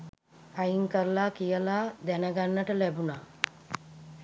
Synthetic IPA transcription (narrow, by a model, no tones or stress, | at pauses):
ajiŋkəɾlakijəlaːd̪ænəɡanːəʈəlæbuna